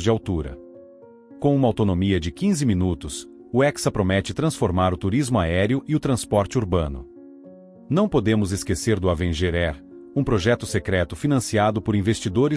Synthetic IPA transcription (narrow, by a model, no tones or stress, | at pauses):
zd͡ʒɪawt̪uɾɐ̰ | kõũmɐawt̪onõmiɐd͡ʒɪkĩzɪmĩnut̪ʊs | ʊɛksɐpɾomɛt͡ʃɪt̪ɾɐ̃sfoɾmaɾʊt̪uɾizmʊaɛɾjʊʔɪʊt̪ɾɐ̃spɔɾt͡ʃɪuɾbɐ̃nʊ̰ | nɐ̃w̃pod̪ẽmʊzeskeseɾd̪ʊavẽʒeɾɛɾ | ũpɾoʒɛt̪ʊsekɾɛt̪ʊfinɐ̃siad̪ʊpʊɾĩvest͡ʃid̪oɾɪ